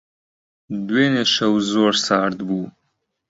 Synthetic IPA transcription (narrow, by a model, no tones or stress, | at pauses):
d̪weːneʃɐwzoːɾsɑːɾd̪bu